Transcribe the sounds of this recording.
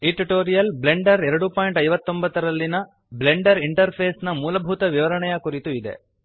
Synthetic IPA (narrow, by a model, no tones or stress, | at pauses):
iʈiʈoːɾijɐlble̞ɳɖɐɾɛɾɐɽupoːjiɳʈɐjʋɐt̪ːo̞mbɐt̪ːɐɾɐlːinɐ | ble̞ɳɖɐɾiɳʈɐɾpʰeːsnɐmuːlɐbʱut̪ɐʋiʋɐɾɐɳɛjɐkuɾit̪uid̪e̞̰